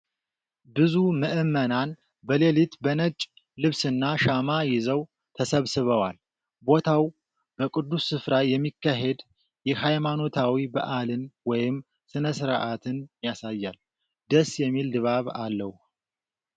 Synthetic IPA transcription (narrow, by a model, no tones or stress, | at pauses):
bɨzuməʔɨmːənan | bəlelit̪bənət͡ʃʼ | lɨβsɨnːaʃamajɪzəw | t̪ʰəsəβsɨβəwal | bo̞t̪ʰaw | b̥əkʼɨd̪ːusːɨfɾajɛmːikːaɦe̞d̪ | jɛhajmano̞t̪ʰawibə̰ʔalɨnwɔjɪm | sɨnəsɨɾʔat̪ʰɨnjasajːal | d̪əsjɛmːild̪ɨβaβalːəh